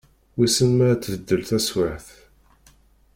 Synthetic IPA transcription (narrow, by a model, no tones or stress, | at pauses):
wisənmææt͡s̪ːvəd̪ːəlθæswaħθ